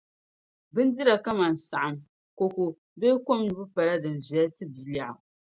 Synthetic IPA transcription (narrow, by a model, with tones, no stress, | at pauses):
bɨ˦n˦dɨ˦ɾa˨ka˦ma˨n˨sa˨ʔa˨m | ko˨ko˨ | be˦ko˦mnɨ˨bɨ˦pa˨la˦dɨ˨n˨vɛ˨ltɨ˦bi˨la˨